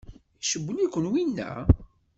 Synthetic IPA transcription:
iʃəbːəlikʷːənwinːæ̰

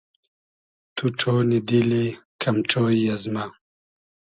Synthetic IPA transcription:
t̪uʈ͡ʂʰoːnid̪ilekʰɐmʈ͡ʂʰoːjjɐzmɐ

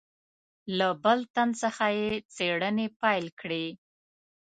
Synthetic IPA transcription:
labəlt̪ansəxajet͡seɽənepɑjlkɽe

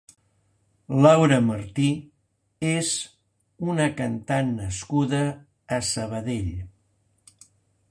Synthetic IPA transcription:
lawɾəməɾt̪i | ez | unəkənt̪anːəskuðəː | səβ̞əðeʎ

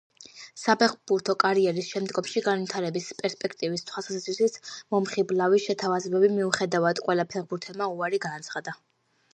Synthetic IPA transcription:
sapʰɛχbuɾt̪ʰɔkʼaɾiɛɾisʃɛmd̪ɡɔmʃiɡanvit̪ʰaɾɛbispʼɛɾspʼɛkʰt̪ʼivist̪ʰwasatsat̪sʰwisit̪mɔmχiblˠavisʃɛt̪ʰavazɛbɛbimiuχɛd̪avad̪qʼwɛlˠapʰɛʁbuɾt̪ʰɛlmauaɾiɡanːt̪sʰχad̪a

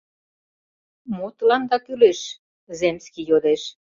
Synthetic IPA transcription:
mot̪lɑnd̪ɑkyleʃ | zemskijod̪eʃ

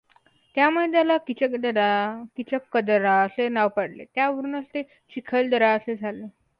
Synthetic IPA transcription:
t̪jamuɭed̪jalakit͡ɕəkd̪əɾakit͡ɕəkːəd̪əɾaəsenaʋpəɽlḛt̪jaʋəɾunəst̪e | t͡ɕikʰəld̪əɾaəsed͡zʱale

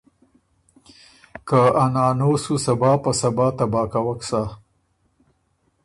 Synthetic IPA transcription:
kaanɑːnosusabɑːpasabɑːt̪abɑːkawaksa

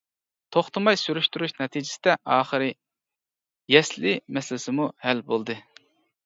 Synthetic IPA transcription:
t̪ʰoχt̪ʰɨmɑjsyɾyʃt̪yɾyʃnɛt̪ʰid͡ʒɪ̥sɪd̪ɛʔɑːχəɾɨ | jɛslɪmɛsɪlɪsɪmuhælbolˠd̪ɨ

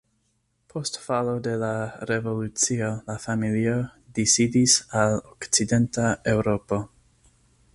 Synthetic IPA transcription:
pʰo̞stfalo̞de̞laɾe̞vo̞lut͡sio̞lafamiliodisidisalokt͡side̞ntae̞wɾo̞po̞

